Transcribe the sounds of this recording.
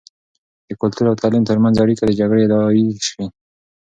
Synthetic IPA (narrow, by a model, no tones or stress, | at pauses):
d̪̥əkʊlt̪uɾawt̪ʰalimt̪əɾmanzaɽikad̪əd͡ʒaɡɽed̪awawiʃwi